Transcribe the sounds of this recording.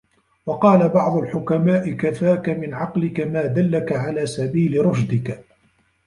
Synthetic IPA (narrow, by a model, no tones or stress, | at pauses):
wɑqɑːlabɑʕd̪ˤʊlħʊkamaːʔɪkafaːkamɪnʕɑqlɪkamaːd̪alːakaʕalaːsabiːlɪɾˤɑʃd̪ɪk